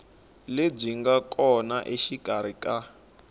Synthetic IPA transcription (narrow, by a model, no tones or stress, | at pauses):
leb͡ʐiŋɡakʼɔnaʔeʃikaɾ̤ikʼa